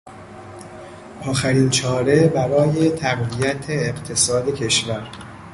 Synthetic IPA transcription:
ʔɒːxæɾiːnt͡ʃʰɒːɾe̞bæɾɒːje̞t̪ʰæɢvijæt̪ʰeːɢt̪ʰe̞sɒːd̪e̞cʰe̞ʃvæɾ

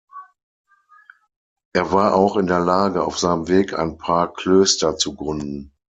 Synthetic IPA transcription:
ʔeːɐvaːɐʔaʊxɪndeːɐlaːɡəa̰ʊfz̥aɪnəmveːkʰa̰ɪnpʰaːɐkʰl̥øːstɐt͡suɡʁʏndn̩

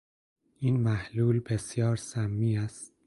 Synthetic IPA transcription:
iːnmæhluːlbe̞sjɒːɾsæmːiːæst̪̚

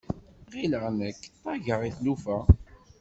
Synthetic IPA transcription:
ʁiləʁnəkːt̪ˤːɑʝəʁiθlufæ

